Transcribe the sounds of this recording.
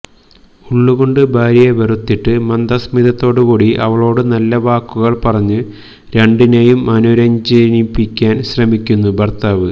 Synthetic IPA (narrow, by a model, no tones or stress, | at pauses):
uɭːuɣo̞ɳɖɨbʱaːɾijeʋɐrut̪ːiʈːɨmɐnd̪ɐsmiðɐt̪ːo̞ːɽukuːɽiʔɐ̰ʋɐɭo̞ːɽɨnɐlːɐʋaːkːuɣɐɭpɐrɐɲːɨ | ɾe̞ɳɖinejumɐnuɾɐɲd͡ʑenipːikʲːaːnɕrɐmikʲːunːubɐrt̪aːʋɨ